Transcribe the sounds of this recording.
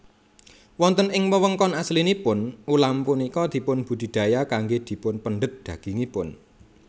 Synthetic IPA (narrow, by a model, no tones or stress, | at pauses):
wɔnt̪ənɪŋməwəŋkɔnaslinipʊnulampunikɔd̪̥i̤pʊnb̥ṳd̪̥i̤d̪̥a̤jakaŋɡed̪̥i̤pʊnpənɖət̪̚d̪̥ä̤ɡ̥i̤ŋipʊn